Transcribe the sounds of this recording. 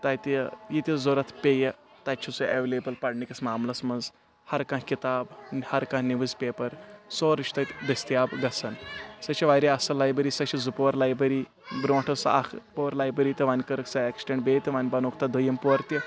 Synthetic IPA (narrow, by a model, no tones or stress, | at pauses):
t̪ajt̪əjit̪ʲizoɾɐt̪ʰpʲejɐ | t̪at͡ʃʰit͡sueʋelebɐlpɐɽnikɐsmaːmlɐsmɐnz | hɐɾkãːɦkit̪aːbhɐɾkãːɦniʋɨzpʲeːpɐɾsoːɾit͡ʃʰʲt̪ɐt̪ʲd̪ɐsʲt̪jaːbɡɐsɐnsɐt͡ʃiʋaːjɾiɐsɐlaːjbɐɾiːsɐt͡ʃɐzupoʋɐɾlaːjbɾɐɾiː | bɾõʈʰɐsɐ̰kʰpoʋɾlaːjbɾɐɾiːt̪ʲɐʋanʲkɐɾksɐeksʈeɳʈbet̪ʲɐʋaːnʲbɐnoːk̚ʰt̪ɐd̪əjɐmpoɾt̪ʲi